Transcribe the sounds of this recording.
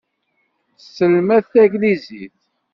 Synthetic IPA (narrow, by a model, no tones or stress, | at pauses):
səlmæθθæɡlizḭθ